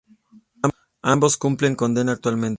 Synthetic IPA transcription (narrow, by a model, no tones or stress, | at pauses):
a | ambo̞skumple̞ŋko̞nd̪e̞naːkt̪walmẽnt̪